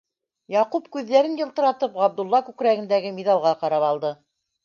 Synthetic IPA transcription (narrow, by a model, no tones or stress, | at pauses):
jɑqupkʉðːæɾɘnjɤ̆lˠt̪ɤ̆ɾɑt̪ɤpʁɑb̚d̪ulˠːɑkʉkɾæɡɘ̆nd̪æɡɘmiðɑlˠʁɑqɑɾɑpɑlˠd̪ɤ